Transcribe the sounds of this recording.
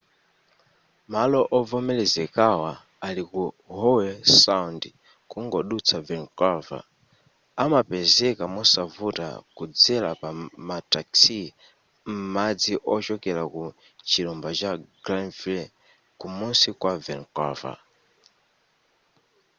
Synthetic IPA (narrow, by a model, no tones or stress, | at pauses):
malɔʔɔvɔmɛlɛzɛkawa | aliku | hɔwɛsaundi | kuŋɡɔɗut͡sʰavɛnkɔva̰ | amapɛzɛkamɔsavuta̰kud͡zɛlapamataksi | m̩mad͡ziʔɔt͡ʃɔkɛɾaku | t͡ʃilumbat͡ʃaɡ̥ɾanvl | kumunsikwavɛnkɔ̰va̰